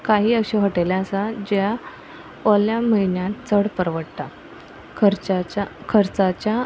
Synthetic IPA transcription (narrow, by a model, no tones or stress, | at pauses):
kaɦiːəɕiɦəʈelaəsad͡ʑja | ɔljaməinjat̪t͡səɽpəɾʋəɽt̪a | kʰəɾt͡sat͡ɕa